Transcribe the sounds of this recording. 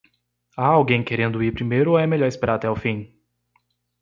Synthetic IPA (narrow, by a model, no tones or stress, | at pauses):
aawɡẽj̃keɾẽnd̪ʊipɾimejɾʊoɛmeʎɔɾɪspeɾaɾat̪ɛwfĩ